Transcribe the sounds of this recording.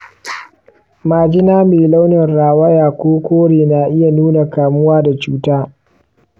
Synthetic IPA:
maː˨d͡ʒɪ˦naː˦meː˨la˦wnɪ˨nɾaː˨wɐ˦jaː˨kʷoː˦kʷoː˦ɽeː˨na˨ʔɪ˦ja˨nuː˦na˨kaː˨mʊ˦waː˦da˨t͡ʃuː˦taː˦

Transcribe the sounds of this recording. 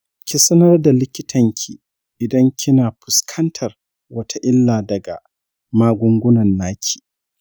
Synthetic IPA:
kʲi˨sɐ˦nɐ˦rda˨lɪ˦kʲɪ˦tʰɐ˨ŋkʲʰi˨ | ʔɪ˨dɐ˦ŋkʲʰɪ˦naː˨ɸʊ˨skʰɐ˦ntʰɐ˨r | wɐ˦tʰa˦ʔɪ˦lːaː˨dɐ˨ɡa̰˨ | maː˦ɡʷʊ˦ŋɡʷʊ˦nɐ˨nːaː˦kʲʰi̥ː˨

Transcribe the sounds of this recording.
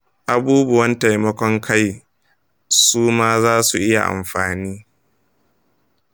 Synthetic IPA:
ʔa˨buː˦bʊ˨wɐ˦nta˨jmɐ˦kʷɔ˦ŋkʰa˦j | suː˦maː˦zaː˦su˨ʔɪ˦ja̰˨ʔa̰˨mɸaː˨niː˦

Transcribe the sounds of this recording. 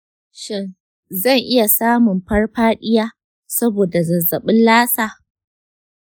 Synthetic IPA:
ʃɪ˦n | zɐ˦˨ŋʔɪ˦ja˨saː˦mʊ˨mɸɐ˦rɸaː˦ɗɪ˦jaː˦ | sɐ˦boː˨da˨zɐ˨zːɐ˨ɓɪ˦nlaː˦saː˨

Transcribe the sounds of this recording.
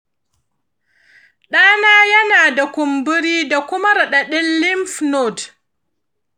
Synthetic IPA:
ɗaː˦naː˦ja˦naː˨da˨ku˨mbu˦ɾiː˦da˨kʊ˦ma˦ɾa˨ɗa˨ɗɛ˦nːi˦mfnɔd

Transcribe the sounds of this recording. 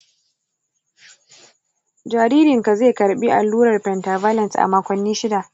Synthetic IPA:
d͡ʒaː˨ɾiː˦ɾɪ˨ŋka˨zeː˦˨kɐ˨ɾɓi˦ʔa˨lːuː˦ɾɐ˨rɸɛ˨ntaː˨vaː˦lɛ˨nsʔa̰˨maː˦kʷɐ˨nːiː˦ʃɪ˦da˨ʔ

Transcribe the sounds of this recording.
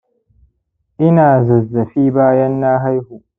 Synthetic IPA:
ʔɪ˦naː˨zɐ˨zːɐ˨ɸiː˦baː˦jɐ˦nːaː˦ɦa˦jhu˨ʔ

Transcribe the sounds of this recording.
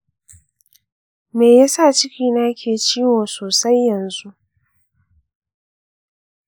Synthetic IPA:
meː˨ja˦sa˦˨t͡ʃɪ˦kʲiː˦naː˦kʲeː˨t͡ʃiː˦woː˨soː˨sa˦jːɐ˨nzu˦ʔ

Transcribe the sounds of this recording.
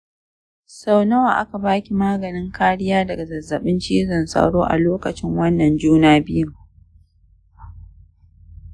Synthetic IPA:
sa˦wnɐ˦waː˨ʔa˦ka˨baː˦kʲi˨maː˦ɡɐ˨nɪ˦ŋkaː˦ɽɪ˦jaː˦dɐ˨ɡa˨zɐ˨zːɐ˨ɓɪ˦nt͡ʃiː˦zɐ˨nsʼɐ̰˦ɽoː˦ʔa̰˨loː˦kɐ˨t͡ʃɪ˦ŋwɐ˦nːɐ˨nd͡ʒuː˦naː˦bɪ˦jʊ˦˨ŋ

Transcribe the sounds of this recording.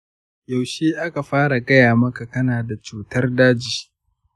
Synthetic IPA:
ja˨wʃeː˦ʔa˦ka˨ɸaː˦ɽa˨ɡɐ˦jaː˨mɐ˦ka˨kɐ˦naː˨da˨t͡ʃuː˨tɐ˦rdaː˦d͡ʒiː˨

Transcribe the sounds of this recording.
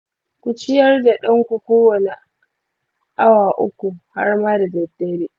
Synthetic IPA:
kʷu˨t͡ʃɪ˦jɐ˦rda˨ɗɐ˦ŋkʷu˨kʷoː˦wɐ˨ne˨ | ʔa˦waː˨ʔʊ̰˦kʷu˨ha̰˦rmaː˦da˨dɛ˨tːeː˦ɾiː˦

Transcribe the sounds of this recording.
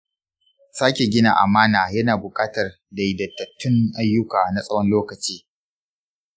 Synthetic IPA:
saː˦kʲe˨ɡʲɪ˦na̰˨ʔa̰˨maː˦naː˨jɐ˦naː˨bʊ˨kʼaː˦tɐ˨r | da˨jɪ˨dɐ˨tːɐ˨tːʊ˦ŋʔa˦jːʊ˦kaː˨na˨sʼɐ˦wɔ˦nloː˦kɐ˨t͡ʃiː˦

